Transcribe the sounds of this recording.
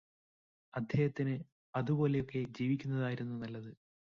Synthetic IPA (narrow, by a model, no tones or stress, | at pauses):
ɐd̪ʱjeːhɐt̪ːinɨ | ɐðubo̞ːle̞jo̞kːe̞d͡ʑiːʋikʲːunːɐðaːjiɾunːunɐlːɐðɨ